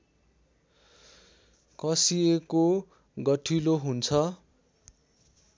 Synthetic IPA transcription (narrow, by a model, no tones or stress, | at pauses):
kʌsieko | ɡʌʈʰiloɦunt͡sʰʌ